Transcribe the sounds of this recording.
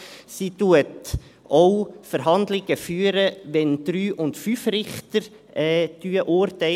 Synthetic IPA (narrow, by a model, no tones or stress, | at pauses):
situət | ɔʊfəɾɦɑnd̪lɪɡ̥əfyːəɾəʋɛnd̪̥ɾyːʔʊntfyfrɪχtəɾ | ɛːd̥yːəʔʊɾtɛɪ